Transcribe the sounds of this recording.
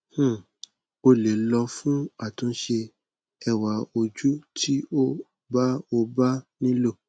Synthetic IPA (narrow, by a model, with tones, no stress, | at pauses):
h̩˦˨ | o˧le˨lɔ˧fũ˦a˦˨tũ˨˦ʃe˧ | ɛ˦˨wa˨˦o˧d͡ʒu˦tʰi˦o˦ | ba˦o˧ba˦nĩ˦lo˦˨